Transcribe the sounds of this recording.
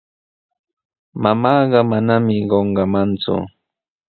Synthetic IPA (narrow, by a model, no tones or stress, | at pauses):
mamɑːɢɑmanamɪɢoɴɢɑmant͡sʊ̰